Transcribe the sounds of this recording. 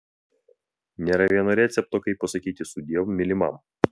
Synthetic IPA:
nʲɛɾɐʋʲiɛnɔɾʲɛt̪sʲɛp̚t̪ɔkɐɪpːɐsɐkʲiːt̪ʲɪsʊd̪ʲiɛʋmmʲːɪlʲɪmɐ̰m

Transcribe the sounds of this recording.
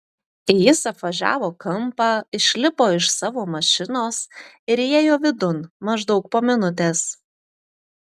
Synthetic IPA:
ɪjɪsɐpʋɐʒʲæ̰ːʋoːkɐmˑpɑɪʃʲlʲɪpoːɪʃsɑːʋoːmɐʃʲɪnoːs | ɪɾjeːjoːʋʲɪd̪ʊnmɐʒd̪ɒʊk̚poːmʲɪnʊt̪̬ʲeːs

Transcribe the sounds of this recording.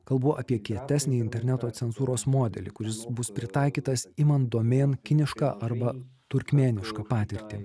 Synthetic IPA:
kɐlˠbuʔɐpʲiɛkʲiɛt̪ʲæːsʲnʲiːɪnʲt̪ʲɛɾʲnʲæt̪oːt̪sʲɛnzuːɾoːsmoːd̪ʲɛ̰lʲɪ̰kʊɾʲɪsbʊspʲɾʲɪt̪ɐˑɪkʲiːt̪ɐsiːmɐnd̪oːmʲeːnkʲɪnʲɪʃkɑːʔɐɾbɐt̪ʊɾʲkmʲeːnʲɪʃkɑːpɑːt̪ʲɪɾʲt̪ʲɪ

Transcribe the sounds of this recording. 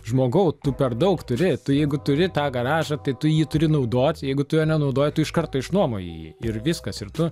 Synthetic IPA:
ʒmoːɡɐʊt̪ʊpʲɛrd̪ɐʊkt̪ʊɾʲɪt̪ʊjɛɪɡʊt̪ʊɾʲɪt̪ɑːɡɐɾɑːʒɐt̪ɐɪt̪ʊjiːt̪ʊɾʲɪnɐʊd̪oːtʲjɛɪɡʊt̪ʊjoːnʲɛnɐʊd̪oːjɪt̪ʊɪʃkɐrt̪oːɪʃnuɔmo̰jḭjḭɪrʋʲɪskɐsɪrt̪ʊ

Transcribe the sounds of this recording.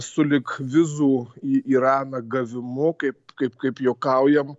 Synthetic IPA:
sʊlʲɪkʋʲɪzuːiːiɾɑːnɐɡɐʋʲɪmʊkɐɪpkɐɪpkɐɪpjoːkɐʊjɛm

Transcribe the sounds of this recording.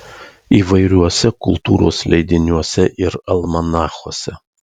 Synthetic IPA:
iːʋɐɪɾʲuɔsʲɛkʊlˠt̪ṵːɾo̰ːslʲɛɪd̪ʲɪnʲuɔsʲɛʔɪɾɐlˠmɐnɑːxoɔsʲɛ

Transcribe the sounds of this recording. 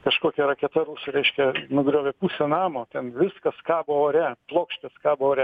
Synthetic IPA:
kɐʃkoːkʲɛɾɐkʲɛt̪ɐɾuːsʊɾʲɛɪʃʲkʲɛnʊɡɾʲoːʋʲɛpusʲɛnɑːmoːt̪ʲɛnʋʲɪskɐskɑːboːoːɾʲɛplˠoːkʃʲt̪ʲɪskɑːboːoːɾʲɛ

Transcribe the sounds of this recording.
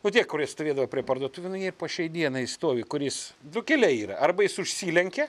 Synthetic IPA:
nʊt̪ʲiɛkkʊɾʲiɛst̪oːʋʲiːd̪ɐʋɐpʲɾʲiɛpɐrd̪oɔt̪ʊʋʲʊnʊnʲiːrpɐʃʲɛɪd̪ʲiɛnɐɪst̪oːʋʲɪkʊɾʲjɪsd̪ʊkʲɛlʲɛiːɾɐ̰ʔɐrbɐjɪsʊʃʲsʲiːlʲɛŋʲkʲɛ

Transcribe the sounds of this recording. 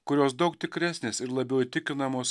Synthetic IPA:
kʊɾʲoːsd̪ɒʊkt̪ʲɪkɾʲæsʲnʲeːsɪɾlˠɐbʲɛʊit̪ʲɪkʲɪnɐmoːs

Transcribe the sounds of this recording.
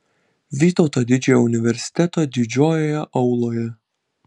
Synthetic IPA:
ʋʲiːt̪oːt̪oːd̪ʲɪd͡ʒʲɛjoʊnʲɪʋʲɛɾʲsʲɪ̥t̪ʲɛt̪oːd̪ʲɪd͡ʒʲoːjoːjɛʔɐʊlˠoːjɛ

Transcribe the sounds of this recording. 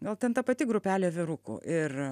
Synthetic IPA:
ɡɐlˠt̪ʲɛnt̪ɐpɐt̪ʲɪɡɾʊpʲæːlʲeːʋʲɪɾʊkʊ̰ːʔɪr

